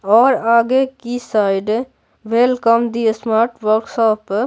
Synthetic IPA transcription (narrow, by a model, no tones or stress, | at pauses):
ɔːɾaːɡekisaɪɖ | ʋelkəmd̪iesmaːɾʈʋəɾksɔːp